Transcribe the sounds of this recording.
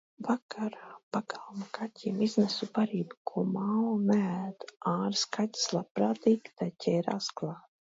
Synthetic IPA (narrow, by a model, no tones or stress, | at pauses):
vakʰaɾaːpaɡalˠmakʰatʲʰiːmiznɛsubaɾiːbkʰuɔmawnææːd̪aːɾskatʲi̥slˠapɾaːt̪iːɡt̪ajcʲʰɛːɾa̰sklˠaːt̪